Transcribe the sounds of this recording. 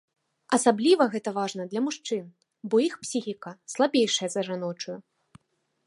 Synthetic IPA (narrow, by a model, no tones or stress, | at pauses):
ɐsablʲivɐɣɛt̪ɐvaʐnɐd̪lʲɐmuʂt͡ʂɨn | bɔixpsʲixʲikɐslˠabʲejʂɐjɐzɐʐanɔt͡ʂuju